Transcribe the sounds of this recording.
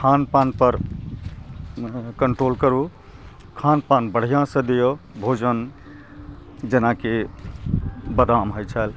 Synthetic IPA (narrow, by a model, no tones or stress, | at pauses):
kʰanpanpəɾ | kəɳʈɾolkəɾu | kʰanpanbəɽ̤ijãsə̃d̪ejobʱod͡ʒən | d͡ʒenake | bəd̪amɦojt͡ʃʰəl